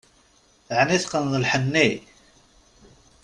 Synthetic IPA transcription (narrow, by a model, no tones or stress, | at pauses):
θʕniθqənðˤəlħənːi